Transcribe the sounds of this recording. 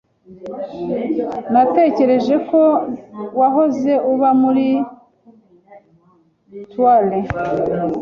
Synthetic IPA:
nate̞ːce̞ɾe̞ʒe̞ko̞waɦo̞ze̞ʔuβamuɾi | twali

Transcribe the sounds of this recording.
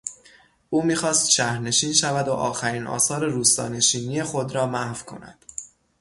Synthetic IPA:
ʔuːmiːxɒːst̪ʃæhɾne̞ʃiːnʃævæd̪o̰ʔɒ̰ːxæɾiːnʔɒ̰ːsɒːɾe̞ɾuːst̪ɒ̰ːne̞ʃiːnije̞xo̞d̪ɾɒːmæhvkʰo̞̰næ̰d̪̥

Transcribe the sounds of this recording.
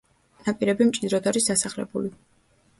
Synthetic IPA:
napʼiɾɛbimt͡ʃʼid̪ɾɔd̪aɾisd̪asaχlɛ̰buli

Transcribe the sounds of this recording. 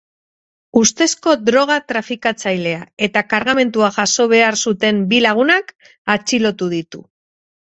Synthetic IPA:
ust̪e̞sko̞d̪ɾo̞ɣ̞at̪ɾafikat͡sajle̞ae̞t̪akaɾɣame̞nt̪uaʝaso̞β̞e̞aɾsut̪e̞mbilaɣ̞unak | at͡ʃilo̞t̪uð̞it̪u

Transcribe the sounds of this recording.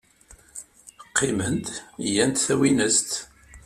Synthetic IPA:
qʰːimənd̪jænt̪θæwinəst̪

